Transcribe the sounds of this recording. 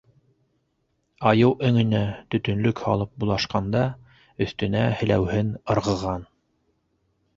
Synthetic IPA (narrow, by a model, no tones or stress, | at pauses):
ɑjɤwʔɵ̆ŋɵ̆næt̪ɵ̆t̪ɵ̆nlɵkhɑ̰lˠɤp̚bulˠɑʃqɑnd̪ɑ | ɵ̆θt̪ɵ̆næhɘ̆læ̰whɘnɤ̆ɾʁɤ̆ʁɑn